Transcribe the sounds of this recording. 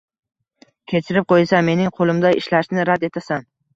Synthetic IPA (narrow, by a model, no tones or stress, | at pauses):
kʲʰe̞t͡ʃʰɪɾɪp̚qʰojsame̞nɪŋqʰolˠɪmd̪aɪ̰ʃlaʃnɪɾad̪et̪ʰasan